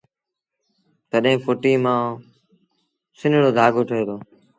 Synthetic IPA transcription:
t̪əɗɦẽːfoːʈiːmãː | sɪnɽoːd̪ʱaːɡʱoːʈʰəɦeːd̪oː

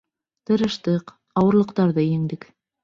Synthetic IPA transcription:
t̪ɤ̆ɾɤ̆ʃt̪ɤq | ɑwɤ̆ɾlˠɤ̆qt̪ɑɾðɤjɘ̆ŋd̪ɘk

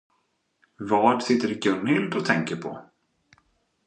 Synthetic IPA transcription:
vɑːɖsɪt̪ːəɾɡœɳɪld̪ɔt̪ʰɛŋkəɾpʰɔ̰

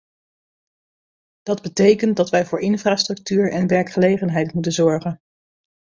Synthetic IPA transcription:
d̥ɑdbətejkəntdɑtʋɛjvʊːɹɪnfraːstrɵk̚tyːɹɛnʋɛɹkχəlejχənɦɛjtmutənzɔɹχən

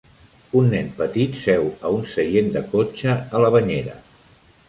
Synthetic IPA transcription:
unːɛnpət̪it̪sɛwəunsəjend̪əkot͡ʃəələβəɲeɾə̰

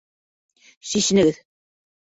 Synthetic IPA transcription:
siʃɘ̆nɘ̆ɡɘð

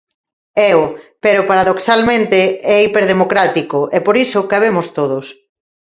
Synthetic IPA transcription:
ɛʊpeɾʊpaɾaðoksalmẽnt̪eɛipeɾð̞emokɾat̪ikoʔɛpoɾisʊkaβ̞emʊst̪oð̞ʊs

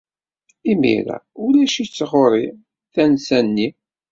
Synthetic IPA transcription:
imḭɾæ̰ulæʃit͡sːʁoɾˤi | θænsænːi

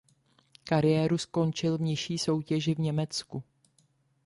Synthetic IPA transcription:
kaɾɪjɛːɾusko̞nt͡ʃɪlvɲɛʃiːso̞wcɛʒɪvɲɛmɛt͡sku

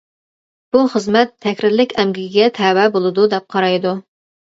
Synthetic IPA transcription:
b̥uχəzmɛt̪ʰːɛkʲɾɪɾlɪkʲɛmɡʲiɡʲiɡʲɛt̪ʰɛwɛbolˠɨd̪ud̪ɛp̚qʰɑɾɑjd̪u

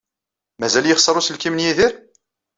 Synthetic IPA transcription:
mæzæljəχsˤəɾˤusəlkimənjiðiɾ

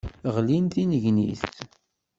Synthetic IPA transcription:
ʁlint̪inəʝnḭθt

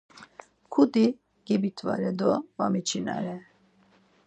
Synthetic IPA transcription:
kʰud̪i | ɡ̥ɛbit̪ʰva̰ɾɛd̪ɔbamit͡ʃʰina̰ɾɛ

